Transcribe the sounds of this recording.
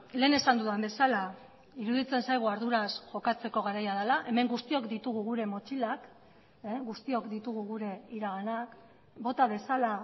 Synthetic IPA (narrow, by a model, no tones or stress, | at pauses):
le̞ːne̞sand̪uðambe̞sala | iɾuðit͡se̞nsajɣ̞uaɾðuɾasʝo̞kat͡se̞ko̞ɣ̞aɾajað̞alaʔe̞me̞ŋɡust̪io̞kd̪it̪uɣ̞uɣ̞uɾe̞mo̞t͡ʃilak | ɡust̪io̞kd̪it̪uɣ̞uɣuɾe̞iɾaɣanak | bo̞t̪aβe̞sala